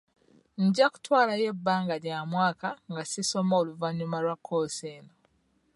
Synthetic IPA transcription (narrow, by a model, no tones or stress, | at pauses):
ɲɟaku̥twaːlaje̞bːaːŋɡaɟamwaːkaŋɡasiso̞moːluvaɲumalwakʰːoseːno